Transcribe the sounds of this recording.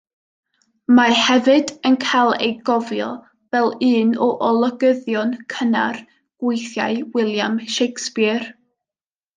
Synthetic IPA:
mahɛvɨdənkʰalˠḛjɡɔvjɔ | vɛlˠɨːnɔʔɔlˠɔɡəðjɔnkʰəna̰r | ɡ̥wejθja̰ɨwɪlˠjamʃejkspɪr

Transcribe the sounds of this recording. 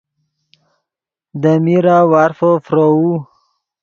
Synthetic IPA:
d̪əmiɾawaɾfəfɾou

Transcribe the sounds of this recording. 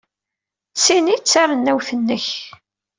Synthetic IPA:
sinit͡sːarˤənːæwθənːəç

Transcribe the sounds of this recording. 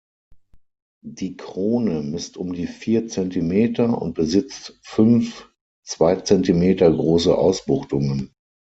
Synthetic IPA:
diːkʁ̥oːnəmɪstʔʊmdiːfiːɐt͡sɛntimeːtɐʊ̰nt̚b̥əzɪt͡stfʏnf | t͡sv̥aɪt͡sɛntimeːtɐɡʁoːsə̰ʔa̰ʊsb̥ʊχtʊŋən

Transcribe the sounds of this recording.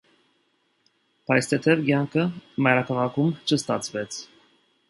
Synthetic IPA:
pʰɑjst̪ʰɛt̪ʰɛvɡjɑŋkʰəmɑjɾɑkʰɑʁɑkʰumt͡ʃʰəst̪ɑ̰t͡sʰvɛt͡sʰ

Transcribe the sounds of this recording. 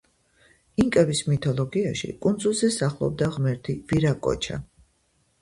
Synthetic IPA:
iŋkʼɛvismit̪ʰɔlˠɔɡiaʃḭkʼund̪zulˠzɛsaχlˠɔ̰b̚d̪aʁmɛɾt̪ʰiviɾakʼɔ̰t͡ʃʰa̰

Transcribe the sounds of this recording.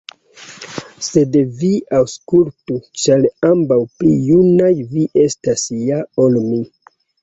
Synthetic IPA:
se̞dviawskultut͡ʃalambawplijunajviʔestasjao̞lmi

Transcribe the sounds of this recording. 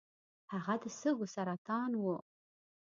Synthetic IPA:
haʁad̪əsəɡusaɾat̪ɑːnwu

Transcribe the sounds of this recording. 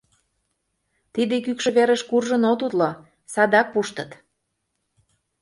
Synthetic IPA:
t̪id̪ekykʃə̆βeɾəʃkurʒə̆not̪ut̪lo | sɑd̪ɑk̚puʃt̪ə̆t̪

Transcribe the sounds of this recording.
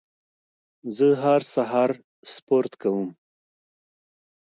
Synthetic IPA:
zəɦaɾsaɦɑɾ | spoɾt̪kawəm

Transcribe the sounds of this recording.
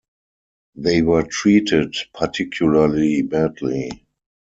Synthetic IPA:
ðeɪwɜ˞tʰɹiːtɪdpʰatʰɪkʰjʊlalibædli

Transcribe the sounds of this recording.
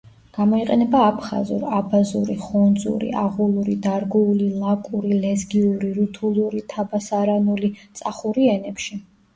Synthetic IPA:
ɡ̥amɔiqʼɛnɛbaːpʰχa̰zṵɾabazṵɾḭχɔnd̪zṵɾḭaʁulˠuɾid̪aɾɡuulilˠakʼuɾilɛzɡiuɾiɾut̪ʰulˠuɾit̪ʰabasaɾanulit̪sʼaχuɾiɛnɛpʃi

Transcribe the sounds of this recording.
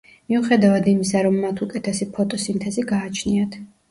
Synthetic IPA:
miuχɛd̪avad̪imisaɾɔmːat̪ʰukʼɛt̪ʰɛsipʰɔt̪ʼɔsimt̪ʰɛziɡaːt͡ʃʰniat̪ʰ

